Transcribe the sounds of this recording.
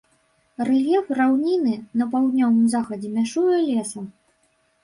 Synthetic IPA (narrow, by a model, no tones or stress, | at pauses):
rɛlʲjɛfrawnʲinɨnɐpawd̪nʲɔvɨmzaxɐd͡zʲɛmʲaʂujɛlʲɛsɐ